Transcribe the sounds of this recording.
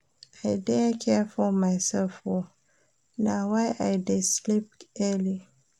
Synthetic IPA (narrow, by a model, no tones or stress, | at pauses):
ʔaɪdɛkʰɛfɔmaɪsɛlfwɔ | nawaɪʔajdeslip̚ɛli